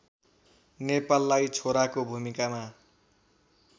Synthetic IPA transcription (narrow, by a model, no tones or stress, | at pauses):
nepalːajt͡sʰoɾakobʱumikama